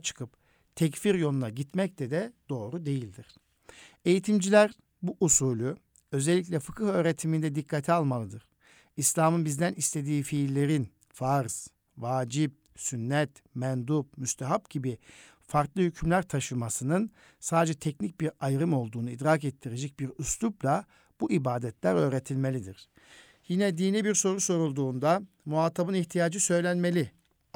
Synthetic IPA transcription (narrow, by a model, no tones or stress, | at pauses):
t͡ʃʰɯ̥kʰɯp | t̪ʰɛcfiɾjo̞nunaɟit̪mɛc̚t̪ʰɛd̪ɛd̪̥o̞ːɾud̪e̞jilʲd̪iɾ̥ | e̞jit̪ʰimd͡ʒilʲæɾ | buʔusuːlʲˠu | ø̞zɛlʲːic̬ʲlʲɛfɯkʰɯhø̞ːɾet̪ʰimind̪ɛd̪ikʰːat̪ʰialˠmalˠɯd̪ɯɾ̥ | islʲaːmɯnbizd̪ænist̪ʰe̞d̪iːfiːlːʲe̞ɾin | faɾz̥ | vaːd͡ʒip̚ | synːɛt̪mɛnd̪up̚myst̪ʰaɦap̚ɟibi | faɾk̪lˠɯhycʰymlʲæɾt̪ʰaʃɯmasɯnɯn | saːd̪ed͡ʒɛt̪ʰɛcnic̚biɾajɾɯmo̞lˠd̪uːnuid̪ɾaːkɛt̪ʰːiɾe̞d͡ʒɛc̚biɾusluplʲˠa | b̥uʔibaːd̪ɛt̪ʰlʲæɾø̞ːɾet̪ʰilʲme̞lʲid̪iɾ̥ | jinɛd̪iːnibiɾso̞ɾuso̞ɾulˠd̪uːnd̪a | muaːt̪ʰabɯniçt̪ʰijaːd͡ʒɯsø̞jlʲænme̞lʲi